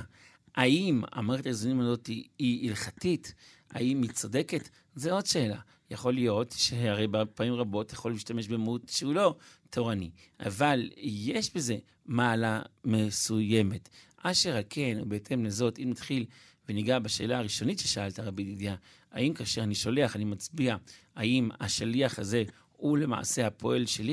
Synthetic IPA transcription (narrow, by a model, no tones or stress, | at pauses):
aima̰maʁeχetaezonimazo̞tiiilχatit | a̰imit͡so̞de̞ket | zeo̞dʃe̞ːla̰ | jaχo̞lijo̞tʃehaʁejbapaimʁabo̞tjaχo̞lːiʃtame̞ʃbemahutʃeulo̞tʰoʁani | ʔa̰valje̞ʃbe̞ze̞ | maːlame̞suje̞me̞tʔaʃeʁake̞nubeetʰe̞mlezo̞timat̪χil | veniɡabaʃe̞ːlaaʁiʃo̞nitʃeʃaaltaʁabididja | a̰imkaːʃeʁaniʃo̞le̞aχanimat͡sbiaaima̰ʃaliaχaze̞ | hule̞ma̰a̰se̞apʰo̞ʔe̞lʃeli